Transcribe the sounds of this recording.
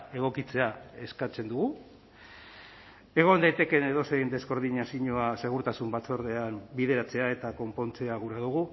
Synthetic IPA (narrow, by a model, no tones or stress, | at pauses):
e̞ɣ̞o̞kit͡se̞ae̞skat͡se̞nd̪uɣu | e̞ɣ̞o̞nd̪ajt̪e̞ke̞ne̞ð̞osejnd̪e̞sko̞ɾðiɲasiɲoase̞ɣ̞uɾt̪asumbat͡so̞ɾð̞e̞ambiðe̞ɾat͡se̞ae̞t̪ako̞mpo̞nt͡se̞aɣuɾað̞uɣu